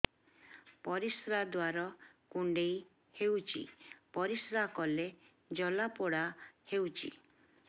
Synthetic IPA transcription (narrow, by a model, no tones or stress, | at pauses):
pɔɾisɾad̪waɾɔkuɳɖej | hewt͡ʃʰḭpɔɾisɾakɔle | d͡ʒɔlapɔɽahewt͡ʃʰḭ